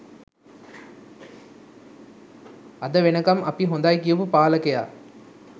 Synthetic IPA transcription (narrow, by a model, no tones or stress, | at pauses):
ɐd̪əʋenəkamʔɐpiɦond̪ajkijəpupaːləkeja̰ː